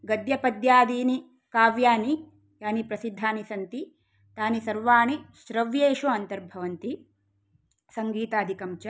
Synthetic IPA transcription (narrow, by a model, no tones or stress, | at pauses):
ɡɐd̪jɐpɐd̪jaːd̪iːni | kaːʋjaːni | jaːnipɾɐsid̪ʱːaːnisɐnt̪i | t̪aːnisɐɾʋaːniʃɾɐʋjeːʃuɐnt̪ɐɾbʱɐʋɐnt̪i | sɐŋɡiːt̪aːd̪ʱikɐmt͡ʃɐ